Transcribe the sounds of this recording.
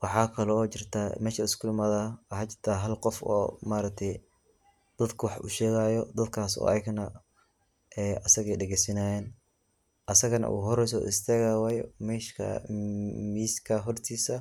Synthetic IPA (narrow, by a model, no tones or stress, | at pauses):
wɑħɑːkʰɐlɔːt͡ʃɪrt̪ʰamɛːʃɐɪskʰʊlɪmɐðɐwhat͡ʃɪr̥t̪ʰaːɦɐlqɔfɔ̰ːmaːɾɐk̚t̪ʰɛj | d̪̥ɐd̪kʰʊwɑħʊ̰ʃɛːɣaːjɔd̪ɐd̪kʰaːsɔ̰ːʔɐ̰jɪɡnɐ | ʔɛɐsɐɣɛjɖɛɣɛjsɪnaːjɛːn | ʔɐsɐɣɐnɐ̰ṵːɣɦɔɾɛjs̬ɔɪst̪ʰɛːɣawaːjmɛːʃkʰɐ̰ | miːskʰɐɦɔrt̪ʰiːsɐ